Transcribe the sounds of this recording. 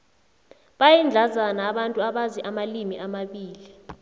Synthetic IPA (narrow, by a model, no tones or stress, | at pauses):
ɓajind͡ɮʱazanaːɓantʼuaɓaziʔamalimiʔamaɓiːli